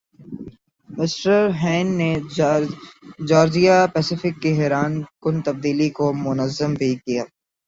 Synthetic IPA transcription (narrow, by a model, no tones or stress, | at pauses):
mɪsʈəɾɦɛ̃ːnːe | d͡ʒɔːɾd͡ʒijapɛːsɪfɪkːiɦɛːɾaːnkʊnt̪ɐb̚d̪iːlikomʊnəzːəmbʱikijaː